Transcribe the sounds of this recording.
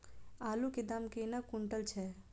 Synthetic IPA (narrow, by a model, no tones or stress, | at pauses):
aːluked̪amkenakuɳʈəlt͡ʃʰɛ